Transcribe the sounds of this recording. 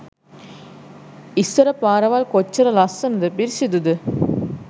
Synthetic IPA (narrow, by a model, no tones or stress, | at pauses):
ɪsɐɾɐpːaːɾɐʋaːlkɔt͡ʃːɐɾɐlɐsɐnɐd̪ɐpiɾsid̪ud̪ɯ